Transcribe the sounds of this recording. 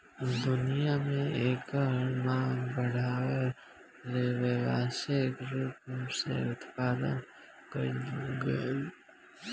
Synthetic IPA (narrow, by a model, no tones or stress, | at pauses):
d̪ʊnijamẽeːkəɾmãːŋɡbəɽ̤aːwe | ɾeʋeʋaːsekɾʊpmsḛʊt̪paːd̪ə̰n | kəɾiɡəl